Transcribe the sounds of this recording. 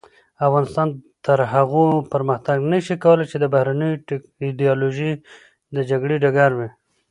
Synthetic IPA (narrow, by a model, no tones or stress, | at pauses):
afɣɑnɪst̪ɑnt̪əɾɦaɣopəɾməxt̪aɡnəʃikawəlajt͡ʃed̪əbahɾanəj | ɪd̪iɑloʒi | d̪əd͡ʒaɡɽeɖaɡaɾwi